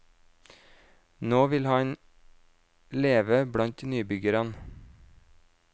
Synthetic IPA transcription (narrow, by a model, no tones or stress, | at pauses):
noːʋɪlhɑɲ | leːʋəbɽɑnt̪nyːbʏɡəɾɑn